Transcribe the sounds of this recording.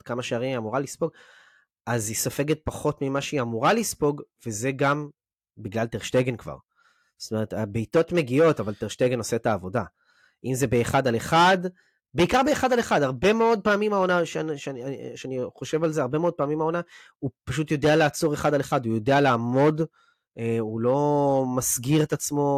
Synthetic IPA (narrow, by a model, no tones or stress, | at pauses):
kamaʃeaʁiiamuʁalispo̞ɡ | azisofe̞ɡet̚paχo̞tmimaʃeiamuʁalispo̞ɡve̞ze̞ɡam | biɡlalteʁʃteɡenkva̰ʁ | z̥o̥t̪o̞me̞ʁetabejto̞tme̞ɡio̞tavalteʁʃteɡeno̞setaːvo̞da | ʔimze̞beːχadaleχad | be̞ikaʁbeːχadaleχadaʁbe̞meo̞d̪̚paːmimao̞naʃenʃaʃeaniχo̞ʃe̞valzeaʁbe̞meo̞d̚paːmimao̞na | upaʃ̬utjo̞de̞aleat͡soʁe̞χadaleχadujo̞dealaːmo̞d | eulo̞masɡiʁet̪at͡smo̞